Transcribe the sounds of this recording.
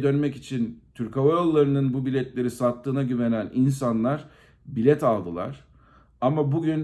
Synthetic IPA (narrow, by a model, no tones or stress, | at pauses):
d̪ø̞nmɛcit͡ʃʰint̪ʰyɾkavajo̞lˠːaɾɯnɯnbubilʲɛt̪lʲe̞ɾisat̪ʰːɯːnaɟyve̞nænins̬anlˠaɾ̥ | bilʲɛt̪alˠd̪ɯlˠa̰ɾ̥ | amabuɟyn